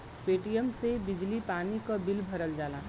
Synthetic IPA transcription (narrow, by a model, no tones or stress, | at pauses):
peʈijəmsebid͡ʒlipanikəbilbʱəɾəld͡ʒalã